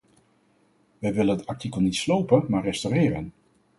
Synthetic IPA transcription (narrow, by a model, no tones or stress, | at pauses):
ʋɛjʋɪlənətɑɹtikəlˠnitslowpənmaːɹrɛstorɪːɾən